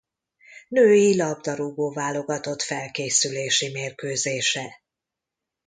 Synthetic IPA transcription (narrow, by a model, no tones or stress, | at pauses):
nøːjilɒb̚d̪ɒɾuboːvaːlo̞ɡɒt̪o̞t̪fɛlkeːsyleːʃimeːrkøːzeːʃɛ